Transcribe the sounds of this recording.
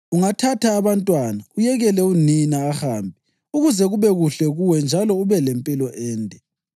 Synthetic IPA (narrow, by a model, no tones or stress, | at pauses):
uŋatʰatʰaːβantʼwanaujɛɣɛlɛuninaːxaːmbʱi | uɣuzɛɣuβɛɣuɬɛɣuwɛnd͡ʒʱalɔuβɛlɛmpʼilɔʔɛːntʼɛ